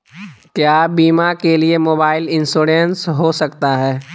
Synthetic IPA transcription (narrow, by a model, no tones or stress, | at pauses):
kjaːbiːmakeliemoːbaːɪlɪ̃nsoːɾensɦosɐkt̪aɦɛː